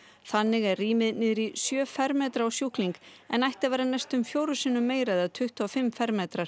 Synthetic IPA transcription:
θanːɪɣɛrriːmɪðnɪːðɪɾisjœːfɛɾmɛːt̪ɾaawsjuhkliŋk | ɛnajht̪avɛːɾanajst̪ʏmfjoːwɾʏsɪːnʏmːeːjɾaːðat̪ʰʏht̪afɪmːfɛɾmeːt̪ɾaɾ̥

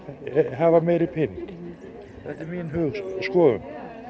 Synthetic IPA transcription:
ɦavamɛːjɾɪpʰɪːniŋc | θɛht̪ɛɾmiːnɦʏːɣsskɔːðʏ̰m

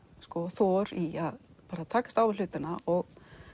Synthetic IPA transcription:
skɔθɔɾiaðpaːɾat̪ʰaːkḁst̪aːwvɪl̥ʏːt̪ɪnaɔɣ

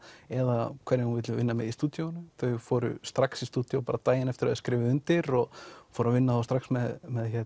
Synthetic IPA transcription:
ɛðakʰvɛɾnɪnhunvɪːt̪lɪvɪnːamɛðist̪uːt̪jownʏθœɥɣfɔːɾʏ̰st̪ɾaksist̪uːt̪jowpaːɾat̪aːjɪnɛft̪ɪɾaðʏskɾɪːvɪʏnt̪ɪɾɔɣfɔːɾavɪnːaθowst̪ɾaxsmɛðmɛðçɛ

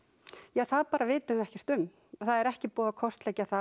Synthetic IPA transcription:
jaːθaðpaːɾavɪːt̪ʏmvɛhcɛr̥t̪ʏm | θaðɛɾɛhcɪpɔːðakʰɔst̪lɛcːaθa

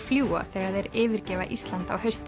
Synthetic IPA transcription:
fljuːa̰θɛːɣaðɛɾɪːvɪɾcɛːva̰ʔist̪lant̪a̰whœɥst̪

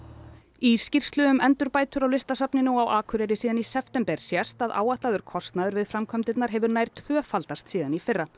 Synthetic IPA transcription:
iːscir̥st̪lʏʏmɛnt̪ʏɾpaːjt̪ʏɾawlɪst̪asapnɪnuawʔaːkʰʏɾɛɾɪsiːðanisɛft̪ɛmpɛɾ̥sjast̪aða̰ːwaht̪laðʏɾ̥kʰɔst̪naðʏɾvɪðfɾamkʰœmt̪ɪt̪naɾ̥ɦɛvʏɾnaːjɾ̥t̪ʰv̥œːfalt̪ast̪siːðanifɪrːa

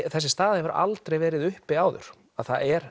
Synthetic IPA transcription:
θɛsːɪst̪aːðɪvaɾa̰lt̪ɾejvɛːɾɪðʏhpɪaːwðʏ̰ɾ̥ | aðθaɛɾ̥

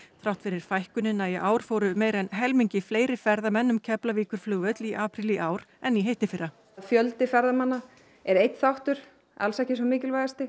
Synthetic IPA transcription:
θɾawht̪fɪɾɪɾ̥fajhkʏnɪnːaiʔaːwɾ̥foːwɾʏmeːjɾɛnɦɛlmiɲcɪfleːjɾɪfɛɾðamɛnːʏmcʰɛplaviːkʏɾ̥flʏːɣœt̪liʔaːpɾiliʔaːwɾɛnːiɦejht̪ɪfɪɾːa | fjœlt̪ɪfɛɾðamanːa | ɛɾejt̪θawht̪ʏɾ̥ | a̰lsɛhcɪsɔmɪːcɪlvajðast̪ɪ

